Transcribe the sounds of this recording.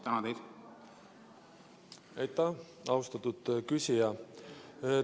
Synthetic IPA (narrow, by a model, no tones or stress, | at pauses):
t̪ænɑd̪ejd̪̥ | ejt̪ːˑɑ | ɑwst̪ɑt̪ːud̪̥kysʲijɑ